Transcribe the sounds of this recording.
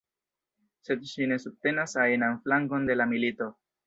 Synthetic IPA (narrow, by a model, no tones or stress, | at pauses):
se̞dʃine̞sub̚te̞nasajnanflaŋko̞nde̞lamilito̞